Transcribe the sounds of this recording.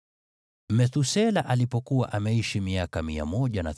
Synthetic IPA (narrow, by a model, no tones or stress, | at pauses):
mɛθusɛlaʔalipɔkuwaʔamɛiʃimiakamia̰mɔʄanaθ